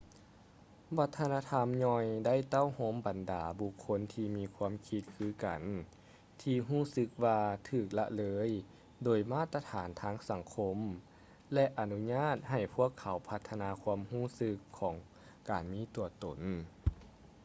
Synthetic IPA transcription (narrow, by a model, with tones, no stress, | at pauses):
ʋa˧˥t̪ʰːa˧naː˧t̪ʰa˧mɲɔː˧jda˥˩˨jt̪a˥˨who˧˥˨mba˨ndaː˨˩bu˧kʰːo˧˥nt̪ʰiː˧miː˧kʰuː˧˥əmkʰi˧t̪̚kʰɯː˧˥ka˨˩n | t̪ʰiː˧ɦuː˥˩sɯ˧k̚ʋaː˧t̪ʰɯː˨˩k̚la̰˧ʔlɤː˧˥j | doː˨˩jmaː˥˩t̪ːa˧t̪ʰaː˩˦nt̪ʰaː˧˥ŋsa˨˩˦ŋkʰo˧˥m | lɛ˧ʔa˨nu˧˥ɲaː˥˩t̪̚ha˨˩jpʰu˥˩əkʰːa˨˩˦wpʰa˧t̪ʰːa˧naː˧kʰuː˧əmhuː˥˩˨sɯ˧˥kʰːɔː˩˦ŋ | kaː˨˩nmiː˧˥t̪u˨˩ɐt̪o̰˨˩n